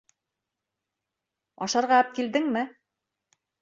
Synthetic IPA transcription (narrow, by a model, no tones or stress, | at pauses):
ɒ̰ʃɑɾʁɑp̚kild̪ɘŋmɘ